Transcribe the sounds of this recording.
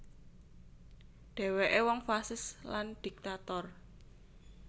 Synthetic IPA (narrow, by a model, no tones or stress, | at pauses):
ɖ̥e̤weʔewɔŋfasɪsland̪̥i̤k̚t̪at̪ɔr